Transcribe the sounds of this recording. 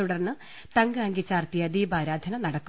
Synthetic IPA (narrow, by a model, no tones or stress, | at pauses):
uɽɐrnːɨ | t̪ɐŋɡɨaːŋɡit͡ɕːaːrt̪ijɐd̪iːbaːɾaːd̪ʱɐnɐnɐɽɐkːu